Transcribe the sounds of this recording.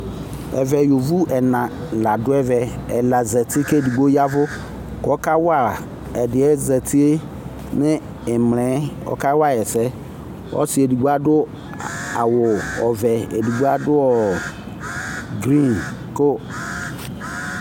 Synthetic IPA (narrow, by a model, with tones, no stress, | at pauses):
ɛ̰˨vɛ˨jo˨vu˦ʔɛ˨nã˨ | la˨dʊ˦ɛ˦vɛ˨ɛ˨la˨zɛ˨tɪ˦ke˦˨di˨ɡ͡bo˦ja˦vʊ˦ | kɔ˦ka˦wa˦˨ɾ | ɛ˨dɪ˨ɛ˦zɛ˨tɪ˦e˦ | nɪ˦ | ɪ˨mlɛ˨˦ɔ̰˦ka˦wa˦˨ɛ˨sɛ˦ | ɔ̰˦sɪ˦e˨di˨ɡ͡bo˦a˦dʊ˦ | a˨wʊ˨ɔ˨vɛ˨e˨di˨ɡ͡bo˦a˦dʊ˦ɔ˨ | ɡɾĩ˦nkʊ˦